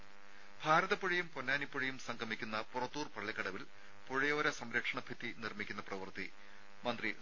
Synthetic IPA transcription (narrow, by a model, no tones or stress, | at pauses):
bʱaːɾɐðɐpːoɻijumponːaːnipːoɻijumsɐŋɡɐmikʲːunːɐpurɐt̪ːuːrpɐɭːekːɐɽɐʋil | poɻijoːɾɐsɐmɾɐkʂɐɳɐbʱit̪ːinirmikʲːunːɐprɐʋɐrt̪i | mɐnd̪ri